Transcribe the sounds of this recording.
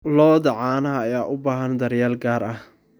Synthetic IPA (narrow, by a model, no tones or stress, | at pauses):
lɔːðɐʕɑːnɐɦɐːjaːʔʊbaːɦɐnd̪ɐɾjaːlɡaːɾɐh